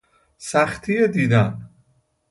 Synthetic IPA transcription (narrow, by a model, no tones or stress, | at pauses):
sæxt̪ʰijed̪iːd̪æn